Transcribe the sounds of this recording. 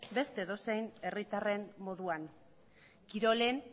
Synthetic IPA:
be̞st̪e̞ðo̞sejne̞rit̪are̞mmo̞ðuan | kiɾo̞len

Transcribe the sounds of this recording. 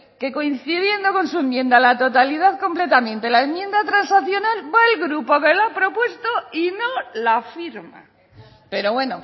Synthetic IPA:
ke̞ko̞in̟θið̞je̞nd̪o̞ko̞nsue̞mjẽ̞nd̪alat̪o̞t̪alið̞aðko̞mple̞t̪amẽ̞nt̪e̞laemjend̪at̪ɾansaθjo̞nalβaelɣɾupo̞kelapɾo̞pwe̞st̪oinolafiɾma̰ | pe̞ɾo̞βwe̞no

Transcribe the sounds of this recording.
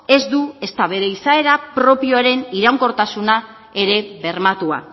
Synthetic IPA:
e̞zd̪ue̞st̪aβe̞ɾe̞isae̞ɾapɾo̞pio̞aɾe̞niɾaŋko̞ɾt̪asuna | e̞ɾe̞βe̞ɾmat̪ua̰

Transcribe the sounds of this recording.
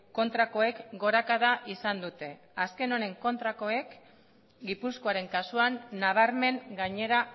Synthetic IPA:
ko̞nt̪ɾako̞e̞kɡo̞ɾakaðaʔisand̪ut̪e̞ | aske̞no̞ne̞ŋko̞nt̪ɾako̞e̞k | ɡipusko̞aɾe̞ŋkasuanːaβ̞aɾme̞ŋɡaɲe̞ɾa

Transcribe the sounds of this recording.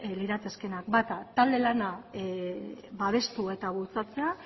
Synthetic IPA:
liɾat͡s̪eske̞nak̚bat̪at̪ald̪e̞lana | βaβ̞e̞st̪ue̞t̪aβ̞ult͡sat͡se̞a

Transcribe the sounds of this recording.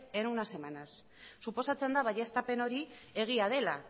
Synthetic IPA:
enunase̞manasː | upo̞sat͡send̪aβaʎe̞st̪ape̞no̞ɾie̞ɣ̞iað̞e̞la

